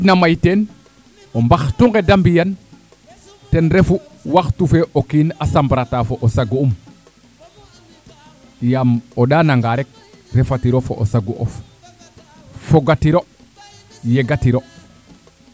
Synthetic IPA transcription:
namajten | ombaxtuŋɡedambijan | tenɾefu | waxtufeʔokinasambɾatafoʔosaɡuum | jamoɗaːnaŋɡaɾek̚ | ɾefatiɾofo̰ʔo̰saɡuʔo̰f | foɡatiɾo | jeɡatiɾo

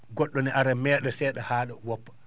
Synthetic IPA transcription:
ɡɔɗːɔnɛʔaɾamɛːɗɔsɛɗahaːɗawɔpːḁ

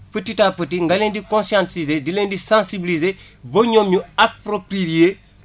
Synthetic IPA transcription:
pətitaːpət̬iŋɡaleːndikõnsiãntizedileːndisãnsibilizebɐɲomjuapɾopɾije

